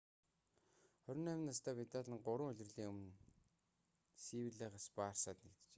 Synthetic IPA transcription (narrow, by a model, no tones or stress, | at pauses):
χœɾʲɪ̆næmʲɪ̆nːast̪ʰæːpit̪aɮĭŋɢʊɾə̆ŋʊɮʲɪ̆rɮiːŋɵmɘ̆n | siwɘɮaːʁaspaːrsaːt̪nekt̪t͡ɕe̥